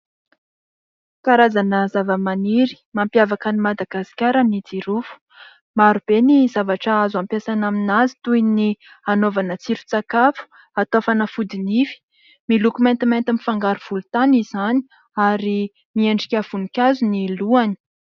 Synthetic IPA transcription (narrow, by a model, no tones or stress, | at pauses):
kaɾazanəzavəmaniɾi̥mampjavakənimad̪aɡasi̥kʲaɾənid͡ziɾufu̥ | maɾub̥enizavaʈ͡ʂaazampjasanaminazi̥t̪uini | anovanət͡siɾut͡sakafu̥ | at̪ofanəfud̪inifi̥ | milukument̪iment̪əmifaŋɡaɾuv̥ulut̪anizani̥ | aɾi | mieɳɖ͡ʐi̥kʲav̥unikʲazuniluani̥